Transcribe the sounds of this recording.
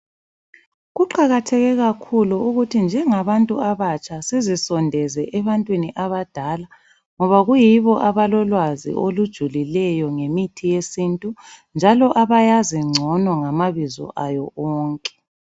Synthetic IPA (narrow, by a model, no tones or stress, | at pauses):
ɣuǃaɣatʰɛɣɛɣakʰuluuɣutʰind͡ʒʱɛŋaβantʼuaβat͡ʃʰʼasezisɔndʱɛzɛʔɛβantʼwiniʔaβad̥ʱala | ŋɔβaɣujiβɔʔaβalɔlwazḭʔolud̥ʒ̥ʱulilɛjɔŋemitʰijesintʼund͡ʒʱalɔʔaβajaziŋ͡ǀʱɔnɔŋamaβizɔ̰ʔajɔɔːŋkʼɛ̥